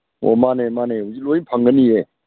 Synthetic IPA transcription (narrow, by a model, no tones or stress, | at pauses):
o̰manemaneɦuzik̚lojpʰaŋɡənije